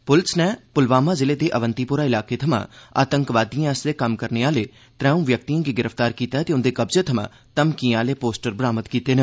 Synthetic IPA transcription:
pʊlsnɛːpʊlʋaːmãːzɪleːd̪eːʔəʋənt̪iːpʊːɾaːɪlaːkeːt̪ʰəmã̰ːa̰ːt̪əŋkʋaːd̪ijãːəsd̪eːkəmkəɾneːaːleː | t̪ɾɛ̃ːũːʋjək̚t̪iːãːɡiːɡɪɾəft̪aːɾkiːt̪aɛt̪eːʊnd̪eːkəbzeːt̪ʰəmã̰ː | t̪əmkĩaːleːpoːsʈəɾbɾaːmət̪kiːt̪eːne

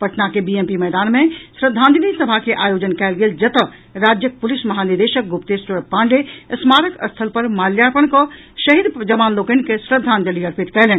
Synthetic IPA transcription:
pɐʈnakebiempimɛːd̪aːnmẽsɾəd̪ʱːãːnd͡ʒ̪ənisəbʱakeʔaːjoːd͡ʒənkɛːlɡeːld͡ʒɐt̪ə | ɾaːd͡ʒjək̚pʊlɪsmɐɦaːnid̪eːʃək̚ɡʊpt̪eːsəɾpãːɳɖesmaːɾəkə̰st̪ʰəlpəɾmaːljaːpənko | ʃɐɦid̪d͡ʒɐmaːnloːkənkesɾəd̪ʱaːnd͡ʒəliəɾpʰɪt̪kɛɦleːn

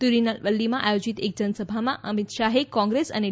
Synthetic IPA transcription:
t̪uɾinəlʋəlːimãʔajod͡ʑit̪ek̚d͡ʑənsəbʱamãʔəmit̪ʃaɦekːɔ̃ŋɡɾesə̰ne

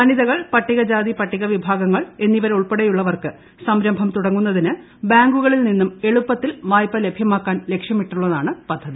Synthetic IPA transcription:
ɐniðɐɣɐɭpɐʈːiɣɐd͡ʑaːðipɐʈːiɣɐʋibʱaːɡɐŋːɐɭe̞nːiʋɐɾuɭpeɽejuɭːɐʋɐrkɨ | sɐmɾɐmbʱɐmt̪uɽɐŋːunːɐðinɨ | baːŋɡuɣɐɭilninːume̞ɭupːɐt̪ːilʋaːjpːɐle̞bʱjɐmaːkːaːnle̞kʂjɐmiʈːuɭːɐðaːɳɨpɐd̪ʱːɐði

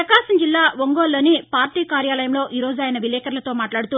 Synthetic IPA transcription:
ɐkaːsɐmd͡ʒilːaːʋoŋɡoːlːoːnipaːɾʈiːkaːɾjaːlɐjɐmlo̞ːʔiːɾo̞ːd͡ʒuaːjɐnɐʋilɛːkɐɾlɐt̪o̞ːmaːʈlaːɽut̪uː

